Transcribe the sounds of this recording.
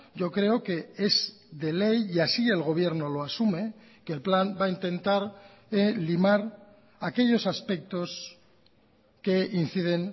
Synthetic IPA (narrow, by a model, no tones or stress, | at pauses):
ɟ͡ʝo̞kɾe̞oke̞ez | ðe̞le̞jiasie̞lɣ̞o̞β̞jeɾno̞lo̞asume̞ | kelplambaint̪ẽ̞nt̪aɾ | elimaɾ | ake̞ʎo̞saspe̞k̚t̪o̞s | ke̞in̟θið̞e̞n